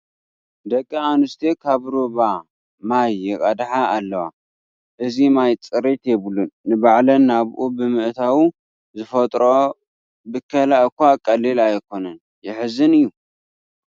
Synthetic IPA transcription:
d̪ɐkʼːianɨst̪ʰekʰaβɾoβa | majːɪkʼɐd̪ħaʔːlːɐwa̰ | ʔɨzimajt͡sʼɨɾit̪jeβɨlunːɨbaʕlɐnːaβʔubɨmɨʔt̪ʰawu | zɨfɐt̪ʼɾo | bɨkʰːɐlaʔkʷakʼɐlːilajkʰo̞nɐn | jɪħɨzɨnɨjːu

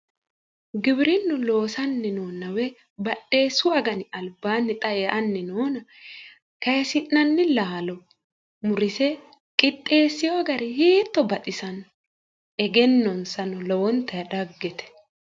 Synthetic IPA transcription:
ɡɪbɪɾɪnːʊlo̞ːsɐnːɛnoːnːɐwɛ | bɐɗːe̞ːsʊɐɡɐnɪɐlbːaːnːɪt̪ʼɐeːʔɐnːɪnoːnɐ | kɐjsɪnːɐnːɪlaːlɔ | mʊɾɪsɛ | kʼɪt̪ʼːe̞ːsːɪjoɡɐɾɪheːt̪ːɔbɐt̪ʼɪsɐn | ɛɡɛnːɔnsɐnɔlɔwɔnt̪ːɐjɐᶑɐɡːɛt̪ɛ̥

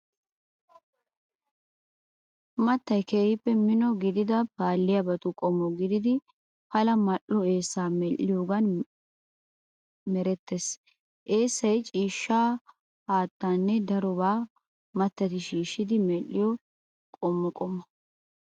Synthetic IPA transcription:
mɐt̪ːɐjkeːhɪpːɛmɪnɔɡɪd̪ɪd̪ɐpaːlːɪjɐbɐt̪ʊkʼɔmːɔɡɪd̪ɪd̪ɪ | pɐlɐmɐʔɔe̞ːsːaːmɛlːɪjoːɡɐn | mɛɾɛt̪ːes | ʔe̞ːsːɐjt͡ʃʼiːʃːaː | haːt̪ːanːɛd̪ɐɾɔbaː | mɐt̪ːɐt̪ɪʃiːʃːɪd̪ɪmɛlːɪjɔ | kʼɔmːʊkʼɔmːɐ

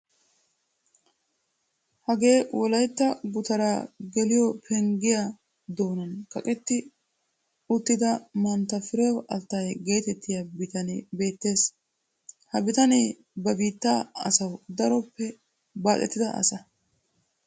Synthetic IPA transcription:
hɐɡe̞ːwɔlɐjt̪ːɐɡʊt̪ɐɾaːɡɛlɪjɔpʰɛŋɡɪja | d̪oːnɐnkɐkʼɛt̪ːɪ | ʊt̪ːɪd̪ɐmɐnt̪ːɐfɪɾɛwʔɐlt̪ːɐjɡe̞ːt̪ɛt̪ːɪjɐbɪt̪ɐnebe̞ːt̪ːe̞ːs | hɐbɪt̪ɐne | bɐbiːt̪ːaːɐ̰sɐwd̪ɐɾɔpːɛ | baːt̪ʼːɛ̰t̪ːɪd̪ɐɐ̰sɐ

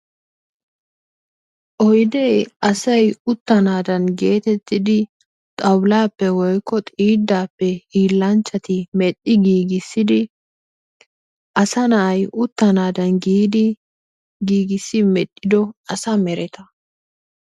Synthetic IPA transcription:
ʔɔjd̪ɛjʔɐsɐjʊt̪ːɐnaːd̪ɐnɡe̞ːt̪ɛt̪ːɪd̪ɪ | t̪ʼɐwlaːpːɛwɔjkːɔt̪ʼiːd̪ːaːpːɛiːlːɐnt͡ʃːɐt̪ɪmɛt̪ʼːɪɡiːɡɪsːɪd̪ɪ | ʔɐsɐnɐʔːjʔʊt̪ːɐnaːd̪ɐnɡiːd̪ɪ | ɡiːɡɪsːɪmɛt̪ʼːɪd̪ɔɐsɐmɛɾɛt̪ɐ

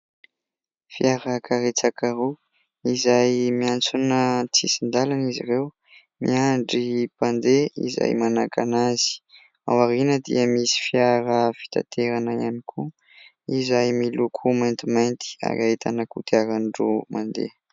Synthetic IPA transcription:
fiaɾəkʰaɾet͡sakaɾu | izajmiant͡sunət͡sisind̪alaniziɾew | mḭaɳɖ͡ʐipand̪eḭza̰jmanakʰanazi̥ | a̰waɾinəd̪ḭəmisi̥fiaɾəfi̥t̪a̰t̪ʰeɾanəjanikʰu | izajmilukʰumajnt̪imajnt̪i̥a̰ɾaet̪ʰa̰nəkut̪ʰiaɾanɖ͡ʐumand̪ḛ

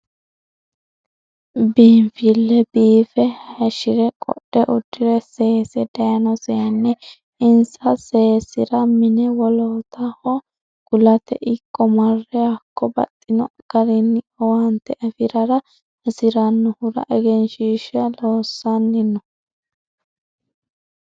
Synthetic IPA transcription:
biːmfɪlːɛbiːfɛhɐʃɪɾɛkʼɔ̰ɗːɛʔʊd̪ːɪɾɛseːsɛd̪ɐjɐnɔsɛɐnːɛ | ɪnsɐseːsɪɾɐmɪnɛwɔloːt̪ɐhɔ | ɡ̥ʊlɐt̪ɛ̰ʔɪkʼːɔmɐrːɛjakːɔbɐ̰t̪ʼːɪnɔɡ̥ɐɾɪnː | want̪ːɛʔɐfɪɾɐɾɐ | ɐsɪɾɐnːɔhʊɾɐ̰ʔɛɡɛnʃiːʃɐloːsːɐnːɪnːɔ

